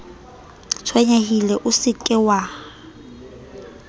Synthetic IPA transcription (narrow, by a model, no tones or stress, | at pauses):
t͡sʰwɛɲahilɛʔʊsɪkʼɪwa